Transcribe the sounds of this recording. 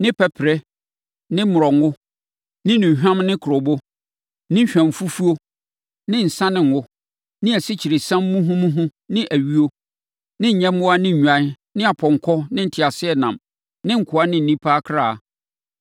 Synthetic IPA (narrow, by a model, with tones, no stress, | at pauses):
nɪ̃˦pʰɛ˨pʰɾɛ˦ | nɪ̃˦mʊ˨ɾɔ˨ŋʊ˦ | nɪ̃˦nʊ̃˨ɦᶣã˦mnɪ̃˦kʰʊ˨ɾɔ˨bo˦ | nɪ̃˦ɕᶣæ̃˨m˨fu˦fu˦o˦ | nɪ̃˦n̩˨sã˦nɪ̃˨ŋ̩˨wʊ˦ | nɪ̃˦æ˨sɪ˦t͡ɕʰi˨ɾɪ˨sã˦mː˦ũ˦ɦʊ̃˦mũ˦ɦʊ̃˦nɪ̃˦ʔæ˨ɥi˦o˦ | nɪ̃˦ɲ̩˨ɲɛ̃˦m˦wʊ˦a˦nɪ̃˦ɲ̩ᶣ˨ã˨˦n | nɪ̃˦a˨pʰɔ̃˨ŋ˨kʰɔ˦nɪ̃˦n̩˨tʰɪ˨a˨sɪ˦ɛ˦˨nã˨m | nɪ̃˦ŋ̩˨kʰʊ˨a˦nɪ̃˦˨n̩˨nĩ˦pʰaː˦kʰɾaː˦˨